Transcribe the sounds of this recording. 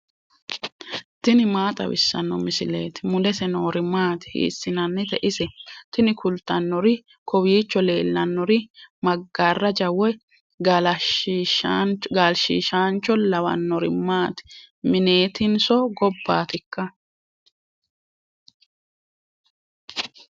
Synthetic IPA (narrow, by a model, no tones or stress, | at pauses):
t̪ɪnɪmaːt̪ʼɐ̰wɪ̰sːɐ̰nːɔmɪsɪlḛːt̪ɪ̥mʊdɛsɛnoːɾɪmaːt̪ɪ̥hḭːsːɪnɐnːɛt̪ɛʔɪsɛt̪ɪnɪkʰʊlt̪ːɐnːɔɾɪ | kʰɔwiːt͡ʃːɔle̞ːlːɐnːɔɾɪmɐɡːaːrːɐd͡ʒɐwɔj | ɡl | ɡaːlʃḭːʃaːnt͡ʃːɔlɐwɐ̰nːɔɾɪmaːt̪ɪ̥ | mɪne̞ːt̪ɪnsɔɡɔbːaːt̪ɪkːɐ